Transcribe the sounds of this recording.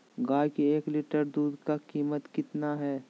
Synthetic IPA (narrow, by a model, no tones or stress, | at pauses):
ɡaːjkeeːklɪʈəɾd̪uːd̪kakiːmət̪kɪt̪naɦɛː